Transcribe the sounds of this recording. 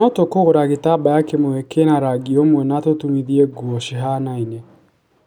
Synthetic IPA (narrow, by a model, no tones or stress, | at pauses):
ɔtokoɣoɾaɣetabajakemoɛkenaɾaɡiomwɛnatotumiðiɛɡuɔʃiɦaːnaine